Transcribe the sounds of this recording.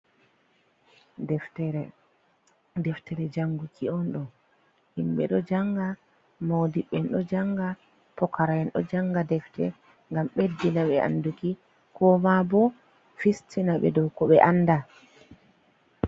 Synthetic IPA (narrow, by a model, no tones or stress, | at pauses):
dɛftɛɾɛ | dɛftɛɾɛd͡ʒaŋɡukʰiɔnɗɔ | himɓɛ̰ɗɔd͡ʒaŋɡa | mowdiɓːɛnɗɔd͡ʒaŋɡa | pɔkaɾajɛnɗɔ̰d͡ʒaŋɡadɛftɛ̰ | ŋɡamɓedːinaɓɛʔa̰nduki | kɔmabɔ | fistʰinaɓɛ̰dɔwkɔɓɛʔanːda